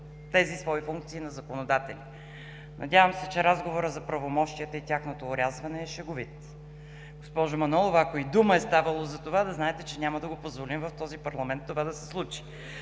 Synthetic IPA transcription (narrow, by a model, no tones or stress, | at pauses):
t̪ɛzisvɔifuŋk̚t̪siinɐzɐkonod̪at̪ɛli | nʔɐ̰d̪ʲjavəmsɛt͡ʃɛɾazɡovoɾəzɐpɾɐvomɔʃt̪ijət̪əit̪ʲjaxnot̪oːɾʲazvɐnɛːʃɛɡovit̪ | ɡ̥ospɔʒomɐnɔlˠovakoid̪uməɛst̪avɐlˠozɐt̪ovad̪ɐznaɛt̪ɛt͡ʃɛnʲaməd̪ɐɡopozvolimvɐft̪ɔzipɐɾlˠɐmɛnt̪ːovad̪ɐsɛ̥slˠut͡ʃi̥